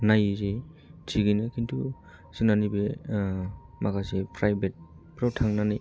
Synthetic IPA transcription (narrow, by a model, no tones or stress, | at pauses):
najze | tʰiɡinɯkʰintʰu | sɯnanibe | makʰasepɾajbet̚ | pɾawtʰaŋnanij